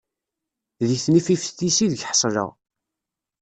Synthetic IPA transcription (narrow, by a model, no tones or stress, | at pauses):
ðiθnififθθisiðəɡħsˤlə̰ʁ